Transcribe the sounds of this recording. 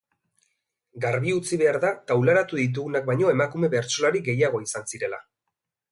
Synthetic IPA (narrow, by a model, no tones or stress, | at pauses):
ɡaɾβiut͡siβe̞aɾðakawlaɾat̪uðit̪̬uɣunak̚bajɲo̞e̞makume̞βe̞ɾt͡so̞laɾiɡe̞jaɣ̞o̞isansiɾe̞la